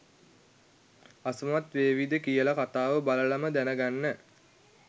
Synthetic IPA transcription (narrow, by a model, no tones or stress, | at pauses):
asəmat̪ʋeːʋid̪əkijəlakat̪aːʋəbaləlaməd̪ænəɡanːə